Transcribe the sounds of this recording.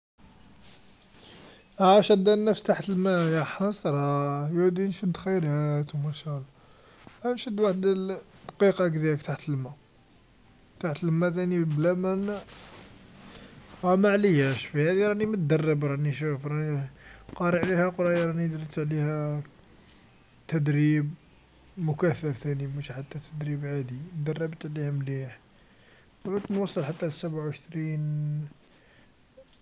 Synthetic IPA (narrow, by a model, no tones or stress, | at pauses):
ʕæʃæd̪ænːæfst̪aħt̪əlmæjæħɑsˤɾˤɑjud̪inʃəd̪xəjɾæt̪wmæʃælˤːɑ | ænʃəd̪ːwaħd̪d̪qiqɑkd̪iəkt̪aħt̪əlmæ | t̪aħt̪əlmæt̪æniblæmæn | ɾɑmaʕləjːæʃfihæd̪iɾˤɑnimət̪̚d̪ərˤːəbɾˤɑniʃufɾˤɑniqɑɾˤəʕlihæqɾˤɑjɾˤɑnid̪ɾt̪ʕlihæ | t̪æd̪ɾib | mʊkæθːəft̪ænimuʃiħat̪ːæt̪ʰəd̪ɾibʕad̪id̪ərˤːɑbt̪ʕlihæmliħ | bʕud̪nwɑsˤːəlħat̪ːæləsæbʕawʃt̪ɾin